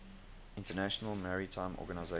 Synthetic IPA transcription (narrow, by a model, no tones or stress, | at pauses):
ɪ̃ntənæʃənəlˠmaɹitʰãɪ̃mʔɔ̰ːɡənaɪze